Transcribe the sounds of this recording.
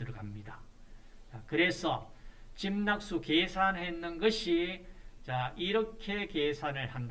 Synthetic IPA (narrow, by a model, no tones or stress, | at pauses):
ɯɾʌɡamɲida | t͡ɕakɯɾe̞sʰʌt͡ɕimnak̚s͈ukesʰanɦenːɯnɡʌɕʰit͡ɕaiɾʌkʰe̞ke̞sʰanɯɭhand